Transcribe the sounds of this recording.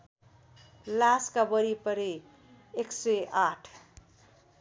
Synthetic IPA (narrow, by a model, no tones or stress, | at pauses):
laskabʌɾipʌɾe | eksʌaʈʰ